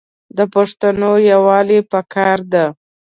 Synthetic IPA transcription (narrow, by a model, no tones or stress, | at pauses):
d̪əpaʂt̪anojawɑlepakʰɑɾd̪a